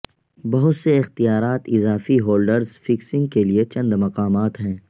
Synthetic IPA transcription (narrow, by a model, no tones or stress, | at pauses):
bɐɦʊt̪seɪxt̪ijaːɾaːt̪ɪzaːfiɦoːlɖəɾzfɪksɪ̃ŋɡ̚keliet͡ʃɐ̃nd̪mɐqaːmaːt̪ɦɛ̃ː